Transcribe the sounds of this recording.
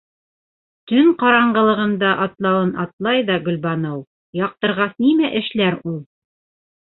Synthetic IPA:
t̪ɵŋqɑɾɑɴɢɤ̆lˠɤ̆ʁɤ̆nd̪ɑʔɑt̪lˠɑwɤnʔɑt̪lˠɑjðɑɡɵ̆lʲbɑnɤw | jɑq̚t̪ɤ̆ɾʁɑsnimæʔɘ̆ʃlæɾulˠ

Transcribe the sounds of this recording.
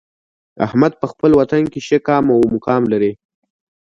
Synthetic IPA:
a̰hmad̪̚pəxpəlwat̪ankeʃekɑmawmʊkɑmlaɾe

